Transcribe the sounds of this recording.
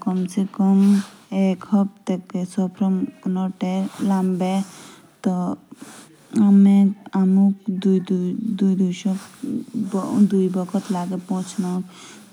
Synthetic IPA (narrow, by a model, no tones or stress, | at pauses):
kɔmsekɔmekhɔb̚t̪ekːesɔpʰɾɔmnɔʈelambe | t̪ɔ | ameamukd̪ud̪d̪ujd̪uʃɔkbɔd̪ujbɔkʰɔt̪laɡepɔ̃t͡ʃʰnɔk